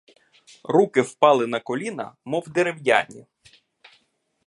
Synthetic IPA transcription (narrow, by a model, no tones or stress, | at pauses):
rukɪwpɑlˠɪnɐkɔlʲinɐ̰mɔwd̪eɾewja̰nʲḭ